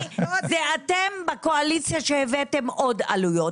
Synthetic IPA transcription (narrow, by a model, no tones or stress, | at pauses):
zeatembako̞alit͡sijaʃehevetemo̞da̰lujo̞t